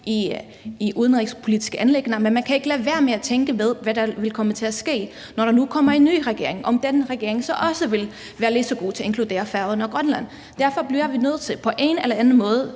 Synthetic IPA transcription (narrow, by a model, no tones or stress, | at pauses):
ʔi | iʔuð̞ˠənʁeɡ̥spʰo̝lid̥ʰisɡ̥əʔænleɡ̥nɐmenmænkʰæe̝ɡ̥əlæʋæɐmeæt͡sʰeŋɡ̥əʋeð̞ˠʋæɾ̥ɑ̈ʋe̝lkʰɒ̽mət͡sʰe̝æsɡ̥e̝̰ː | nɒɾɑ̈nukʰɒ̽m̰ɐinːy̰ːʁaɡ̥e̝ɐ̰e̝ŋʔɒ̽md̥enʁɛɡ̥e̝ɐ̰e̝ŋsɒ̽ʔɒ̽səʋe̝l | ʋæːɐle̝d̥sɒ̽ɡ̥o̝̰ːt͡sʰe̝e̝ŋkʰlud̥e̝̰ːɐfæɐðˠənɒ̽ɡ̥ʁɶnlæn̰ | d̥æɐfɒ̽blijʋinø̰ð̩ˠt͡sʰe̝lpʰɒ̽ʔe̝ːnelɐænðn̩mɔ̽ːð̞ˠ